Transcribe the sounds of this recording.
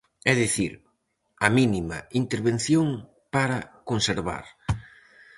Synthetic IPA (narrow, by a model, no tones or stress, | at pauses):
ɛðiθiɾ | ɐminima̰int̪eɾβen̟θjoŋ | paɾɐkonseɾβa̰ɾ